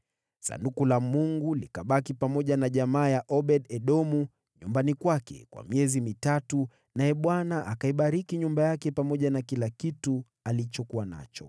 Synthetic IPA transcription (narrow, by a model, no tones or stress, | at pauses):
sa̰ndukulamuŋɡulikaɓakipamɔʄanaʄamaːjaʔɔɓɛɗɛɗɔmu | ɲumbanikwakɛ̰kwa̰miɛzimitatu | najɛɓwanaʔakaiɓaɾikiɲumbajakɛpamɔʄanakilakitu | alit͡ʃɔkuwana̰t͡ʃɔ